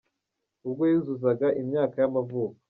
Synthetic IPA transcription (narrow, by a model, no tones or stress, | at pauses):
ubɡo̞juzuzaɡaʔimɲaːkajamavuːkḁ